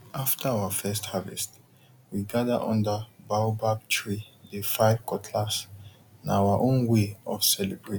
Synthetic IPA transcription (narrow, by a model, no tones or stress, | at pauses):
ʔaftʰəawafɛsthavɛ̰st | wiɡaðəʔɔ̰̃ndəbawbab̚tʰɹidəfajvkʰɔtʰlas | nawaʔõnweɔv̥sɛlɛbɹe